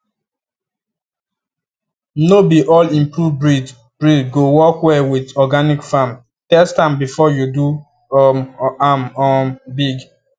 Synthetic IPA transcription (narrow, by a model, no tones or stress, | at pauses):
nobiʔɔlĩmpɹuvbɹid | b̥ɹidɡowɔkwɛwidɔɡanikfãm | tɛstãmbifɔjudu | amɔmbiɡ